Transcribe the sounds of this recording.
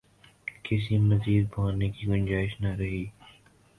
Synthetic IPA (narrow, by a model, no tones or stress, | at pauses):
kɪs̬imɐziːd̪̚baːnekiɡʊnd͡ʒaːɪʃnɐɾɐɦiː